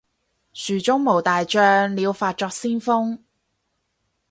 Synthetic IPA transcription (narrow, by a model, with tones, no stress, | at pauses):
syː˨˩t͡sʊ˥ŋmo˨˩wt̪aː˨jt͡ʃœː˧ŋliː˨˧wfaː˧t̚t͡ʃɔː˧k̚siː˥nfʊ˥ŋ